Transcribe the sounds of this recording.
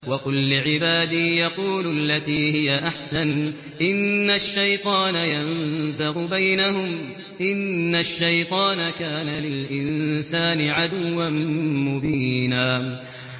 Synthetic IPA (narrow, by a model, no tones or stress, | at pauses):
wɑkʊlːɪʕɪbaːd̪ɪːjɑquːlʊʔalːat̪iːhɪjaʔaħsan | ʔɪnːaʃːajt̪ˤɑːnajanzaɣʊbajnaɦʊm | ʔɪnːaʃːajt̪ˤɑːnakaːnalɪlʔɪnsaːnɪʕad̪ʊwːanmʊbiːnaː